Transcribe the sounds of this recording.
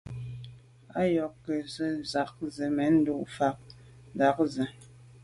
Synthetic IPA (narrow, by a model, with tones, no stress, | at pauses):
a˦jɔ˨kːə˨zə˦za˨k̚zə˨mɛ˨˦n̩˦du˦˨ʔfa˨˦k̚ | za˦k̚zə˨